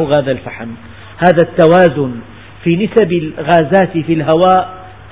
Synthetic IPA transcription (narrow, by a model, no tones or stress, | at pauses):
ɣaːðalfaħm | haːðat̪ːawaːzʊn | fiːnɪsabɪlɣaːzaːt̪filɦawaːʔ